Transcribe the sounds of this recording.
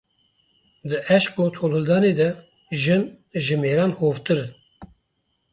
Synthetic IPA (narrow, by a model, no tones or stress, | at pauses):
d̪ɨʔɛʃkot̪ʰoːlhɨld̪ɑːneːd̪ɛ | ʒɨn | ʒɨmeːɾɑːnhoːvt̪ɨɾɨn